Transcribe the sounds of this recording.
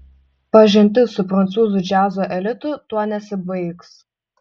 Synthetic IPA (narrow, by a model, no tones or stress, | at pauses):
pɐʒʲɪnʲt̪ʲɪsʊpɾɐnt̪suːzʊd͡ʒʲæːzoːʔɛlʲɪt̪ʊt̪uɔnʲɛsʲɪbɐɪks